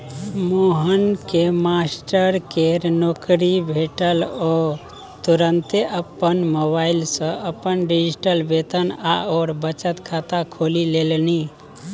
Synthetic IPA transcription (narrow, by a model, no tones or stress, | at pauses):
moɦənkemasʈəɾkeɾnokɾibʱeʈəlɔ | t̪uɾənt̪eʔəpːənmoβailsə̃ʔəpːənɖid͡ʒisʈəlbet̪əna̰ɔːɾbət͡ʃət̪kʰat̪akʰolilelni